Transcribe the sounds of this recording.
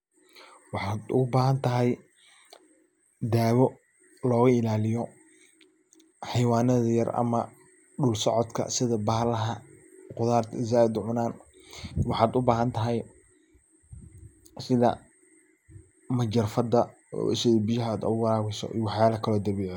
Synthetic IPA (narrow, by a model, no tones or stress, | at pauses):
wɑħɑːd̪ʊbaːɦɐnt̪ʰɐɦɛj | d̪aːwɔ | lɔːɣɐɪlaːlɪjɔ | ħɑjwaːnɐðɐjɐ̰rɐ̰mɐ | ɖʊlsɔʕɔd̪kʰɐ̰sɪðɐbɐhlɐɦɐqʊðaːrt̪ʰɪzaːd̪ʊʕʊnaːn | wɑħaːd̪ʊbaːɦɐnt̪ʰɐɦɛj | sɪðɐ̰ | mɐd͡ʒɐrfɐd̪ɐ̰ | sɪðbɪjɐɦaːd̪ɔ̰wɑɾaːɣɛsɔ̰ʔḭːwɑħjaːlɐkʰɐlɔːd̪ɐβiːʕ